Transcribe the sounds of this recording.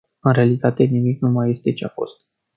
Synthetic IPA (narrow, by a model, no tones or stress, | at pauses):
ɨnɾealit̪at̪e̞nimiknumaje̞st̪et͡ʃeafo̞̰st̪̚